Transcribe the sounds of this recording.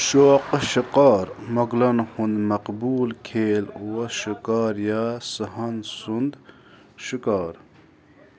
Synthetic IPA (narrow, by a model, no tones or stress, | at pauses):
ʃoːqʃiqɑːɾmɐɡlɐnhund̪mɐqbuːlkʰeːlwɐʃikaːɾjasəɦɐnsund̪ | ʃikaːɾ